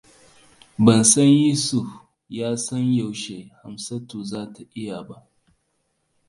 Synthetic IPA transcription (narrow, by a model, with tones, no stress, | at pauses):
bɐ˨nsɐ˦nji˦su˨f | jaː˦sɐ˦nja˨wʃe˨ha˨msɐ˦tuː˨zaː˦ta˨ʔɪ˦ja˨ba˦ʔ